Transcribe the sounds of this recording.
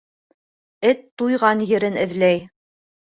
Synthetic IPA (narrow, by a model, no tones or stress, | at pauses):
ɘt̪ːujʁɑnjɘ̆ɾɘnɘ̆ðlæj